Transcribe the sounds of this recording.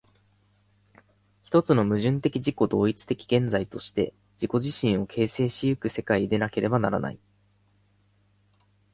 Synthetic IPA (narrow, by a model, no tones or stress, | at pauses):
çi̥t̪o̞t͡sɨno̞mɯ̟ʑɨ̃nt̪e̞kʲiʑiko̞d̪o̞ːit͡sɨ̥t̪e̞kʲi̥ɡẽ̞nd͡zait̪o̞ɕi̥t̪e̞̰ | d͡ʑiko̞ʑiɕĩɰ̃o̞kʰe̞ːse̞ːɕijɯ̟kɯ̟se̞kaid̪e̞nake̞ɾʔe̞banaɾa̰na̰ḭ